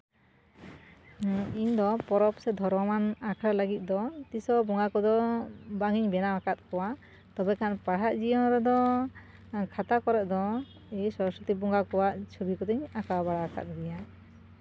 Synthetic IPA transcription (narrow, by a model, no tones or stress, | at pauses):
iɲd̪ɔpɔɾɔpsɛd̪ʱɔɾmɔmanakʰɾalaɡit̪̚d̪ɔt̪isɔbɔŋɡakɔd̪ɔbaŋiɲbɛnaakat̪̚kɔwa | t̪ɔbɛkanpaɦaʔd͡ʒijɔnɾɛd̪ɔ | kʰat̪akɔɾɛʔ̚d̪ɔ | isɔɾɔsɔt̪ibɔŋɡakɔwaʔt͡ʃʰubikɔt̪iɲakawabaɽaaka̰t̪̚d̪ɛja